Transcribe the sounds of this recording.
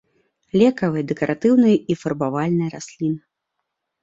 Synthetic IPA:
lʲɛkɐvɨjɐd̪ɛkɐɾʔat̪ɨwnɨjɐʔifɐrbavalʲnɨjɐɾasʲlʲinɨ

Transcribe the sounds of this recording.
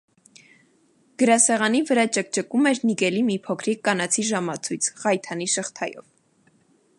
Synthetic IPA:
ɡ̥əɾɑsɛʁɑnivəɾɑt͡ʃək̚t͡ʃəkumɛɾniɡɛlimipʰɔkʰɾikːɑnɑt͡sʰiʒɑmɑt͡sʰujt͡sʰʁɑjt̪ʰɑniʃəχt̪ʰɑjɔ̰v

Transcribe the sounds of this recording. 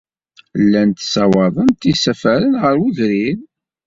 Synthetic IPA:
lːænt̪sɑwɑðˤənt̪isæfæɾənʁəɾuðɾin

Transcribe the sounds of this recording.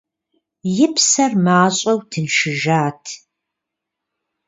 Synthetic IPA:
jɪpʰsɐrmaːɕʼɐwtʰɨnʃɪʒaːtʰ

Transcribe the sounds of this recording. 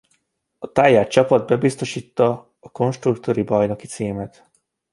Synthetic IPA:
ɒt̪aːjaːt̪t͡ʃɒpɒd̪̚bɛbist̪o̞ʃiːt̪ːɒː | ko̞nʃt̪rukt̪oɾibɒjno̞ki̥t̪siːmɛt̪

